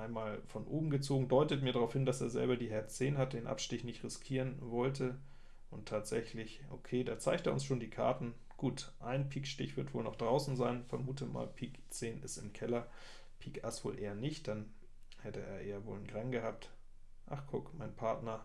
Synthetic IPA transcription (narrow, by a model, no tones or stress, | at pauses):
ʔaɪnmaːlfɔnʔo̰ːbm̩ɡət͡soːɡŋ̩dɔʏtətmiɐɾaʁaʊfhɪndaseːɐzɛ̰lbɐdiːɦɛɐt͡seːnhat̚d̥eːnʔa̰pʃtɪçnɪçtʁɪskʰiːʁənvɔltʰə | ʔʊntʰaːtz̥ɛçlɪçʔo̰kʰeːdaːt͡saɪçkteːɐʊ̰nsʃoːndiːkʰa̰ɐtn̩ | ɡ̥uːtʔaɪnpʰiːkʃtɪçv̥ɪɐtv̥o̰ːlnɔχd̥ʁaʊsn̩zaɪnfɛɐmuːtəma̰ːlpʰiːkt͡seːnʔɪ̰stɪmkʰɛlɐ | pʰiːkʔasv̥o̰ːlʔeːɐnɪçt̚d̥an | hɛtəʔḛːɐʔeːɐvo̰ːlənɡʁaŋɡəhaːp̚t | ʔa̰χkʰʊkmaɪnpʰaɐtnɐ